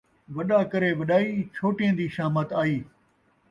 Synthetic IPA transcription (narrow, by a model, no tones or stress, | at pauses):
ʋɐɗaːkɐɾeːʋɐɗaːiːt͡ʃʰoːʈiẽːd̪iːʃaːmət̪aːiː